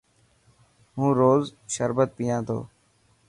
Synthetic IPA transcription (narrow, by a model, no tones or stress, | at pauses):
ɦũːɾoːzʃəɾbət̪̚pijãːt̪ʰo̰ː